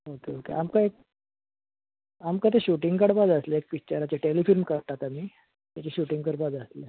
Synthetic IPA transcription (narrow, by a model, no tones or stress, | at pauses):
okeokḛamkaek̚ | amkat̪eɕuʈiŋɡkəɽpad͡zəsleek̚ʋit͡ɕaɾat͡ɕeʈelifilmkəɾt̪at̪amiː | t̪at͡ɕeɕuʈiŋɡkəɽpad͡zəsle